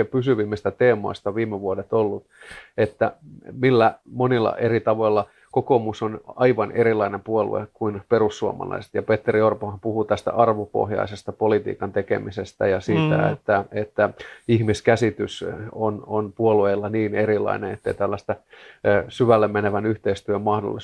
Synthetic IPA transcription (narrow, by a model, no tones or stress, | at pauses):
epysyʋimːist̪æt̪eːmo̰ist̪ɑʋiːmːeʋuodet̪olːut̪et̪ːæmilːæmonilːɑ̰ʔerit̪ɑʋoilːɑ | kokomusonɑiʋɑneɾilːˑɑinempuolṵḛkuinperusːuo̰mɑ̰lɑ̰ise̥t̪jɑpet̪ːeriorpohɑmpuhut̪æst̪æ̰ʔɑrʋopo̰hjɑ̰isest̪ɑpolit̪ḭːkɑnt̪ekḛmisest̪æ̰jɑsiːt̪æ̰ḛt̪ːæet̪ːæihmiskæsit̪ysononpuolueːlːɑniːneɾilˑɑ̰ineet̪ːeit̪ælːæst̪æ | syʋælːemmeneʋænyht̪eist̪yømmɑhdo̰lːi